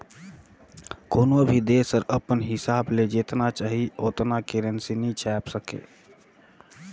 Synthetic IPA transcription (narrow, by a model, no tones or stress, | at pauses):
koːnobʱid̪eːsəɾəpənɦɪsaːbled͡ʒeːt̪nat͡ʃaːɦioːt̪nakeːɾənsinĩt͡ʃʰɛːpsəkḛː